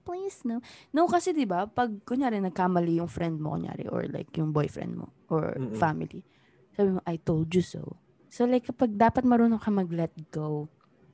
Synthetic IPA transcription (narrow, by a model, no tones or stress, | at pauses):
plisnonowkɐsɛd̪ɪbapɐɡ̚kʊɲɲaːɾɪnɐɡ̚kamɐlijʊŋfɾɛnd̪̚mokʊɲja̰ːɾɪ̰ʔɔ̰ɹla̰jkjʊŋbojfɹɛ̰nd̪̚mo̰ʔɔ̰ɹfamɪ̰lḭ | saːbɪmoʔɐjt̪olˠd̪jʊso̰w | solajkːɐpɐɡ̚d̪aːpɐt̪̚mɐɾoːnoŋkɐmɐɡlɛt̪̚ɡow